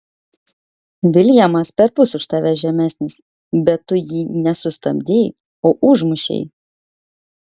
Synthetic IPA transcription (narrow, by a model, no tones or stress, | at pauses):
ʋʲɪlʲjɛmɐspʲɛɾpʊsʊʃt̪ɐʋʲɛʒʲɛmʲæːˑsʲnʲɪs | bʲɛt̪ːʊjiːnʲɛsʊst̪ɐbʲd̪ʲeːj | oːʔʊʒmʊʃʲḛɪ